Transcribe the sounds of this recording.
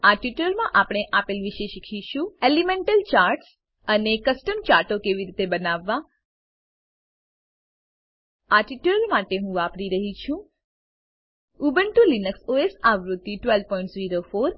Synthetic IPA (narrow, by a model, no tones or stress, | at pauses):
aʈiʈləɾmãʔapɽ̃eʔapelʋiʃeʃikʰiʃũelimẽɳʈəlt͡ʃaɾʈs | ənekəsʈəmt͡ʃaɾʈokeʋiɾit̪ebənaʋːã | aʈiʈləɾmaʈeɦũʋapɽiɾəɦit͡ʃʰũ | ubəɳʈulinəksoesaʋɾut̪ːiʈʋelpɔĩɳʈsziɾofoɾ